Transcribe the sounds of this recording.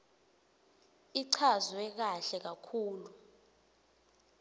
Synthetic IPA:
iǀʰazwɛk̬aɬɛk̬akʰuːlu

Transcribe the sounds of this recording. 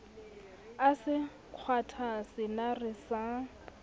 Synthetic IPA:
asɪ | q͡χʰwatʰasɪnarɪsa

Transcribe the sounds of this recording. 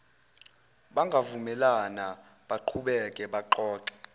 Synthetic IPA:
ɓaŋɡʱavumɛlana | ɓaǃʰuɓɛkʼɛɓaǃɔːǃɛ̥

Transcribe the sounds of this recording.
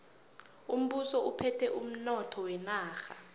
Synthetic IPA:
um̩ɓusɔupʰɛtʰɛʔum̩nɔtʰɔwɛnaːxa

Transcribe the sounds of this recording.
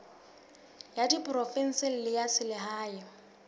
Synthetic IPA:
jadipʼrɔfɛn̩sɪl̩lɪjasɪlɪɦaːjɪ

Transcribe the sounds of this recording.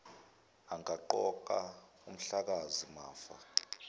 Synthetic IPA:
aŋaǃɔǃa | um̩ɬak̬azimaːfa̰

